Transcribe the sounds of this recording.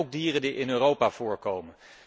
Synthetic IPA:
wɡ̚diːrəndiʔɪnøːrowpav̥ʊːɹkowmən

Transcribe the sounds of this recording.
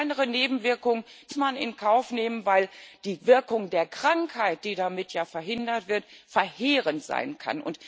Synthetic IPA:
ɪnəʁəneːbm̩vɪɐkʊŋənsmanɪ̰nkʰaʊfneːmənvaɪld̥iːvɪɐkʊŋdeːɐkʁ̥aŋkhaɪt̚d̥iːdamɪtjaːfɛɐɦɪndɐtv̥ɪɐtfɛɐheːʁəntz̥a̰ɪnkʰa̰nʔʊ̰nt

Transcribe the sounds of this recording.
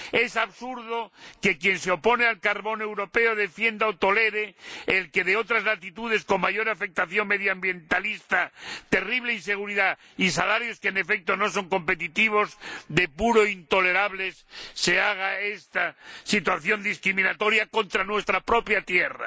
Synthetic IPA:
e̞saβsuɾðoke̞kje̞nseo̞po̞nealkaɾβo̞ne̞wɾo̞pe̞oð̞e̞fje̞nd̪aot̪o̞le̞ɾeelke̞ðeo̞t̪ɾazlat̪it̪uð̞e̞sko̞mmaʝo̞ɾafek̚t̪aθjo̞ŋme̞ðjoambje̞nt̪alist̪at̪e̞riβ̞leinse̞ɣ̞uɾiða | isalaɾjo̞skeːnefe̞k̚t̪ono̞s̬o̞ŋko̞mpe̞t̪it̪iβ̞o̞zðepuɾoint̪o̞le̞ɾaβlesːe̞aɣ̞aest̪asit̪waθjo̞nd̪iskɾimĩnat̪o̞ɾjakont̪ɾanwe̞st̪ɾapɾo̞pjat̪jera̰

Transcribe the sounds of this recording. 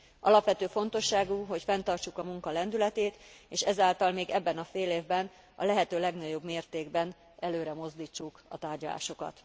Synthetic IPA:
ʔɒ̰lɒpʋɛt̪øːfo̞n̪t̪o̞ʃːaːɡuɦo̞cfɛnt̪ɒrt͡ʃukɒmuŋkɒlɛnd̪ylɛt̪eːt̪eːʃɛzaːlt̪ɒlmeːɡɛbːɛnɒfeːleːvbɛn | ɒ̰lɛɦɛt̪øːlɛɡnɒɟo̞bmeːrt̪eːɡbɛn | ʔɛløːɾɛmo̞zd̪iːt͡ʃːukɒ̰t̪aːrɟɒla̰ːʃo̞kɒ̰t̪

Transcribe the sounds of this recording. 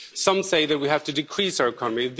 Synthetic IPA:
sʌ̃mseɪðɨt̚wihæftɨdɨkʰɹ̥isaɨkʰɑnəmið

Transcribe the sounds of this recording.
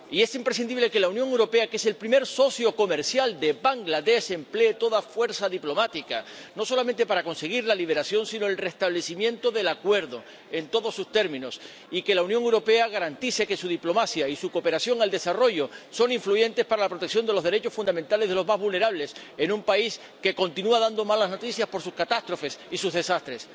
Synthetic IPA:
ie̞simpɾe̞sind̪iβle̞ke̞launjoŋewɾo̞pe̞ake̞se̞lpɾime̞ɾso̞sjo̞ko̞me̞ɾsjald̪e̞baŋɡlaðe̞se̞mple̞ːt̪o̞ðafwe̞ɾsaðiplo̞mat̪ikano̞so̞lamẽnt̪e̞paɾako̞nse̞ɣ̞iɾlaliβ̞e̞ɾasjo̞nsino̞elre̞st̪aβle̞simjẽ̞nt̪o̞ðe̞lakwe̞ɾðo̞ | e̞nt̪o̞ðo̞sːust̪e̞ɾmĩno̞s | ike̞launjoŋewɾo̞pe̞aɣaɾant̪ise̞ke̞suðiplo̞masjaisuko̞pe̞ɾasjo̞ŋald̪e̞saro̞ʝo̞so̞nĩɱfluʝẽ̞nt̪e̞spaɾalapɾot̪eksjo̞nd̪e̞lo̞zðe̞ɾe̞t͡ʃo̞sfund̪ament̪ale̞zðe̞lo̞zmazβulne̞ɾaβle̞se̞nũmpais | ke̞ko̞nt̪inuaðand̪o̞malazno̞t̪iθjaspo̞ɾsuskat̪ast̪ɾo̞fe̞sisuzðe̞sast̪ɾe̞s

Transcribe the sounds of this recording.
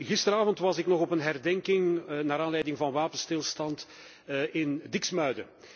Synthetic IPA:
ɣɪstəɾaːvɔntʋɑzɪknɔɣɔpənɦɛrdɛŋkɪŋnaːɾaːnlɛjdɪŋvɑnʋaːpənstɪlˠstɑnt | ɪndɪksmœɥdə̰

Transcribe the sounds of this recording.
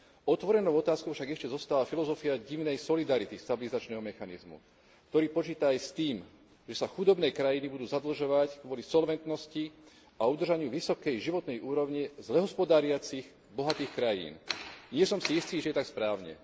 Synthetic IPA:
ɔt̪ʋɔɾɛnɔʊɔt̪aːskɔʊfʃaɡɛʃcɛzɔst̪aːlafilɔzɔfiaɟiʋnɛjsɔlid̪aɾit̪ist̪abilizat͡ʃnɛːɦɔmɛxanḭzmṵ | kt̪ɔɾiːpɔt͡ʃiːt̪aːjst̪iːm | ʒɛsaxud̪ɔbnɛjkɾajinibud̪uːzad̪l̩ʒɔʋackʋɔlisɔlʋɛnt̪nɔsci | aud̪r̩ʒaɲɪuʋisɔkɛjʒiʋɔt̪nɛjʔuːɾɔʊɲizlɛɦɔspɔd̪aːɾɪat͡siɣ | bɔɦat̪iːxkɾajḭːnɲɪɛsɔmsijist̪iːʒɛjɛt̪akspɾaːʊɲɛ̰

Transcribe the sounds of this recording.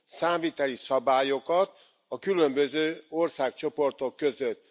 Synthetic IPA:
saːmviːt̪ɛlisɒbaːjokɒt̪̚ | ɒkylømbøzøːorsaːkt͡ʃo̞po̞rt̪o̞kːø̞zøt̪ː

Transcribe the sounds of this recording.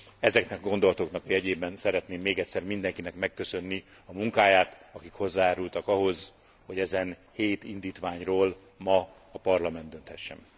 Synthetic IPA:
ɛzɛknɛkɒɡo̞nd̪o̞lɒt̪oknɒkɒjɛɟeːbɛnsɛɾɛt̪neːmːeːɡɛct̪sɛrmind̪ɛŋkinɛkmɛkːø̞sø̞nːiɒmuŋkaːjaːt̪ɒkikho̞zːaːjaːɾult̪ɒkɒɦo̞z | ho̞ɟɛzɛnheːt̪ind̪iːt̪ʋaːɲroːl | mɒː | pɒrlɒmɛnd̪ø̞nt̪hɛʃːɛ̰m

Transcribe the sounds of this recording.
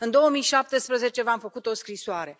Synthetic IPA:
ɨnd̪o̞omijʃap̚t̪e̞spɾəze̞t͡ʃe̞vamfəkut̪o̞skɾisoaɾe̞

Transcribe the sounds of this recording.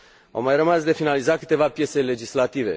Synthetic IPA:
a̰wmajrəmasd̪e̞finalizakɨ̥t̪e̞vapje̞t̪se̞le̞d͡ʒislat̪ive̞̰

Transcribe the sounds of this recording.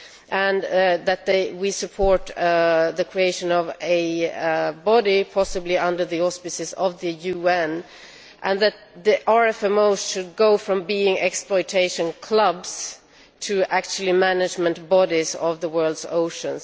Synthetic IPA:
ʔɨ̃nðɨt̪̚ðeɪwisɨpʰɔɹt̪ðɨkʰɹ̥ieɪʃɨ̃nʌvɨ | bɑɾipʰɑsɨbliʌ̃ndə˞ðiɔspɨsɨzʌvðɨjʉɛ̃n | ʔɨ̃nðɨt̪̚ðiʔɑɹɛfɛ̃moʊz̥ʃɨd̚ɡoʊfɹʌ̃mbiɪ̃ŋɛksplɔɪtʰeɪʃɨ̃nkʰl̥ʌbz̥ | tʰɨʔæk̚t͡ʃʉl̩ˠimænɨd͡ʒmɨ̃ntbɑɾizʌvðəwɜ˞lˠdzoʊʃɨ̃ns

